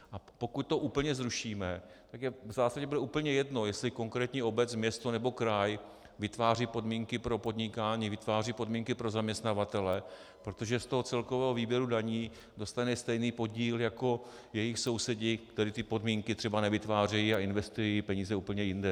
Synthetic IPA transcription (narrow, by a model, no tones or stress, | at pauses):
ʔapo̞kuc̚t̪oʔuːpl̩ɲɛzɾuʃiːmɛt̪akjɛvzaːsaɟɛbudɛʔuːpl̩ɲɛjɛdno̞jɛslɪko̞ŋkɾɛːt̪ɲiːo̞bɛt͡smɲɛst̪o̞nɛbo̞kɾaj | vɪt̪vaːriːpo̞dmiːŋkɪpɾo̞po̞dɲɪkaːɲiːvɪt̪vaːriːpo̞dmiːŋkɪpɾo̞zamɲɛst̪navat̪ɛlɛ | pɾo̞t̪o̞ʒɛst̪o̞ɦo̞t͡sɛlko̞vɛːɦoviːbjɛɾudaɲiː | do̞st̪anɛst̪ɛjniːpo̞ɟiːljako̞ | jɛjɪxso̞wsɛɟɪkt̪ɛɾit̪ɪpo̞dmiːŋkɪt̪r̥ɛbanɛvɪt̪vaːr̝ɛjiaɪnvɛst̪ujipɛɲiːzɛuːpl̩ɲɛjɪndɛ